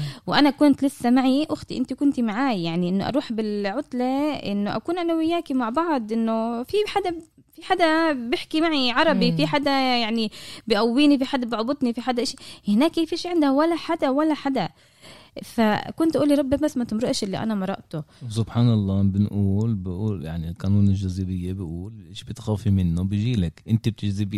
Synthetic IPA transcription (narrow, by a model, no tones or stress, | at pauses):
wʔanakʊnt̪lɪsːamaʕiʔʊxt̪iʔɪnt̪ikʊnt̪imaʕaːjjaʕniʔɪnːʊʔɑ̰ɾˤuːħbɪlʕʊt̪laʔɪ̰nːʊʔa̰kuːnʔanawɪjːaːkimaʕbɑʕd̪ˤʔɪnːʊfiħad̪a | fiħaːd̪abɪħkimaʕiʕɑɾˤɑbifiħaːd̪ajaʕnibɪʔawːiːnifiħad̪ːabɪʕbʊt̪ˤnifiħad̪aʔaʃihɪnaːkːifiʃiːʕɪnd̪hwalːaħad̪awalːaħad̪a | fakʊnt̪ʔuːliɾˤɑbːibasːmat̪ɪmɾɑʔɪʃʔɪlːiʔa̰namɑɾˤɑ̰ʔt̪ʊwsʊbħaːnɑlˤːɑːbɪnʔuːlbɪʔuːlja̰ʕnilqɑnuːnɪlʒazibɪjːabɪʔuːlʔeːʃbɪt̪xaːfimɪnːobɪʒiːlakʔɪnt̪ab̚t̪ɪʒzɪb